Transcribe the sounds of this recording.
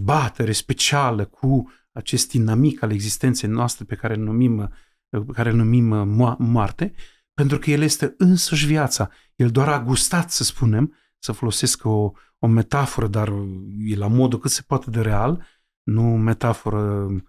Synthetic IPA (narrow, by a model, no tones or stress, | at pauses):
bat̪e̞ɾespe̞t͡ʃialəkʰu | at͡ʃe̞st̪̚d̪inamikale̞ɡzist̪e̞nt̪se̞jnoast̪ɾe̞pe̞kaɾelnumim | pekaɾelnumimamoart̪e̞ | pe̞nt̪ɾukəje̞lje̞st̪e̞ɨnsəʃ̬vjat̪sa | je̞ld̪oaɾaɡust̪at̪səspune̞m | səfo̞lo̞seskəo | ome̞t̪afoɾəd̪arjelamo̞d̪ukɨt̪se̞̥poat̪e̞d̪e̞ɾe̞al | nume̞t̪afo̞ɾə